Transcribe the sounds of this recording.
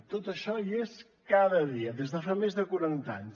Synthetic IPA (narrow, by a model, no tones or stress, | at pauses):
t̪ot̪əʃɔies | kaðəðiəðezðəfamezðəkuɾant̪a̰ɲs